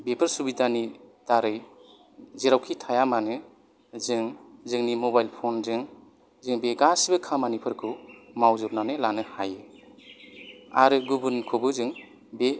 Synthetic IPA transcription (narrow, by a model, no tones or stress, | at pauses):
bepʰɯɾsubidanid̥aɾɯj | ziɾawkʰitʰajamanɯ | zɯŋzɯŋnimɔbajlpʰonzɯŋ | zɯŋbeɡasbɯkʰamanipʰɯɾkʰɯwmawzɯp̚nanɯlanɯhajɯ | aɾɯɡubɯnkʰobɯzɯŋ | be